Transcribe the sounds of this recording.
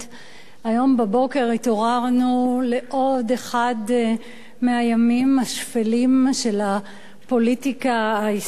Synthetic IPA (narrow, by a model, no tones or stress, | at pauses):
ajo̞mbabo̞ke̞ʁitoʁaʁnule̞ʔo̞d̪eχad̪ | meajamimaʃfelimʃe̞la | po̞litikaais